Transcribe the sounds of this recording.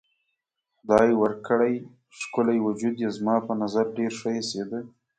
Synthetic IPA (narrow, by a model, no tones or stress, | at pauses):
d̪ɑjwəɾkəɽaj | ʃkʊlajwʊd͡ʒud̪jezmɑpənazaɾɖeɾʂəjesed̪ə